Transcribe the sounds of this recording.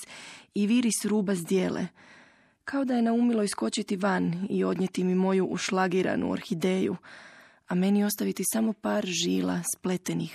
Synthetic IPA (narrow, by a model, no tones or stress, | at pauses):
iʋiɾisɾuːbazd̪je̞ːlḛ | kʰao̞d̪aje̞naumilˠo̞isko̞t͡ɕit̪iʋanio̞d̪ɲet̪imimo̞juʔuʃlaɡiɾa̰nṵo̰ɾxid̪e̞ːjṵ | ame̞nio̞st̪aʋit̪isamo̞paːɾʒḭːlˠa̰sple̞t̪enix